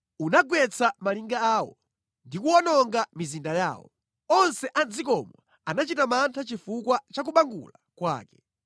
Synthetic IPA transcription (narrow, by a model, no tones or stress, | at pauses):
unaɡwɛt͡sʰamaliŋɡaaːwɔ̰ | ndikuwɔnɔŋɡamizindaja̰ːwɔ̰ | ɔnsɛʔand͡zikɔmwa̰ | anat͡ʃitamantʰat͡ʃifukwat͡ʃak̬uɓaŋɡṵlakwa̰ːkɛ̥